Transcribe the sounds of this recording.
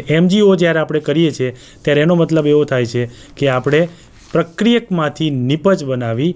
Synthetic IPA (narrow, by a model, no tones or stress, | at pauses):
ɛmd͡ʒiod͡ʒjaɾeapɽ̃ekəɾijet͡ʃʰe | t̪jaɾeːnomət̪ləbeʋot̪ʰajt͡ʃʰekeapɽ̃e | pɾəkɾijəkmãt̪ʰinɪpət͡ʃbənaʋi